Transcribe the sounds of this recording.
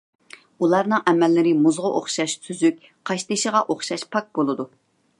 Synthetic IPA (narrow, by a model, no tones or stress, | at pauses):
ulˠɑɾnɨŋʔɛmɛlːɪɾɪmuzʁəʔo̰χʃɑʃsʰyzyk̚ʲ | qʰɑʃt̪ɨʃəʁɑʔoχʃɑʃpʰɑk̚bolˠɨd̪u